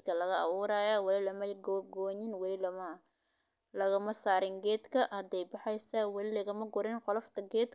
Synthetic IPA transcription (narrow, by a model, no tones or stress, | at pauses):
kʰɐlɐɣɐɐβuːɾajɐwɐlɪlɐmɐɡɡɔːɲɪnwɐlɪlɐmɐ | lɐɣɐmɐsaːɾɪŋɡɛːd̪kʰɐʔhɐd̪ɛjbɑħɛjsɐwɑlɪlɐɣɐmɐɡʊɾɛnqɔlɔft̪ʰɐɡɛːd̪